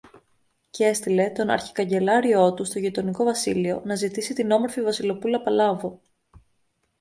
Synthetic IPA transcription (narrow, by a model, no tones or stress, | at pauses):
ce̞st̪ile̞t̪o̞nɐ̰ɾçi̥kɐɲɟe̞lɐɾio̞t̪ust̪o̞ʝit̪o̞niko̞vɐsilio̞nɐzit̪isit̪ino̞mo̞ɾfivɐsilo̞pulɐpɐlɐvo̞